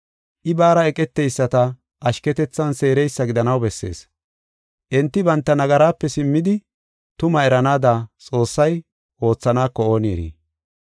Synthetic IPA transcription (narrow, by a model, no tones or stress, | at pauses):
ʔɪbaːɾɐɛkʼɛt̪ːɛjsːɐt̪ɐ | ʔɐʃkɛt̪ɛt͡sːɐnse̞ːɾɛjsːɐɡɪd̪ɐnɐwbɛsːe̞̰ːs | ʔɛnt̪ːɪbɐnt̪ːɐnɐɡɐɾaːpːɛsɪmːɪd̪ɪ | t̪ʊmɐɛɾɐnaːd̪at͡sʼo̞ːsːɐj | ʔo̞ːt͡sːɐnaːkːɔo̞ːniːɾḭː